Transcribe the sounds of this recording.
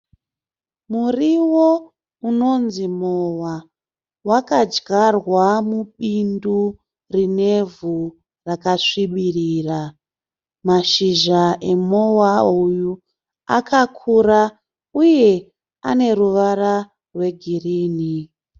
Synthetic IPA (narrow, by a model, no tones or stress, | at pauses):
muriwo̞ | uno̞nzimowa | wakad͡ʒɡarwamuɓindu | rine̞vu | rakaʂiɓiriːra | maʃiʒae̞mowauju | a̰kʰakʰuɾa | uje̞ | ane̞ɾuʋara | rwe̞ɡʱiriːni